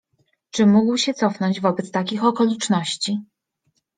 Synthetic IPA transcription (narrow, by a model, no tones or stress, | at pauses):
t͡ʂɘmuɡwɕɛt̪sɔfnɔɲd͡ʑvɔbɛt̪st̪akʲixɔkɔlʲit͡ʂnɔɕt͡ɕi